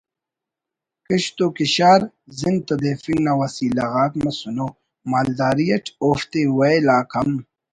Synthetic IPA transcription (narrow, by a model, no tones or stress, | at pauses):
kɐɕt̪okiɕaːɾ | zint̪od̪efiŋɡnɐwɐsiːlɐɣaːkmɐsuno | maːld̪aːɾijɐʈ͡ʂʰoːft̪ewɐjlaːkʰɐm